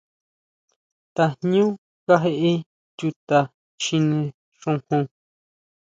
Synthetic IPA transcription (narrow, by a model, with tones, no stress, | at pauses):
t̪a˧ɲũ˦ | ka˦ɦe˧˦ʔe˦ | tʲu˧t̪a˨ | ʃi˧nẽ˧ | ʂũ˧hũ˧